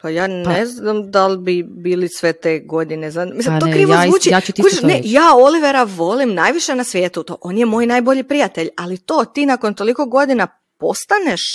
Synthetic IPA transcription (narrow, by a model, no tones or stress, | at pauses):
pajaːnpeznamd̪albibiːlisʋet̪eːɡo̞d̪inezamislit̪okɾiːʋozuːt͡ʃit͡ʃt̪kut͡ʃeʃnejaːo̞liʋeɾaʋo̞limnajʋiʃenasʋjeːt̪ut̪o̰ʔo̞ːnjemo̞ːjnaːjboʎipɾijat̪e̞ʎalit̪o̞ːt̪iːnako̞nt̪o̞liko̞ɡo̞d̪ina | po̞st̪aneʃ